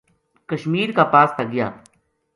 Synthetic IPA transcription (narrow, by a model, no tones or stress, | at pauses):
kəʃmiːɾkaːpaːst̪aɡɪja̰ː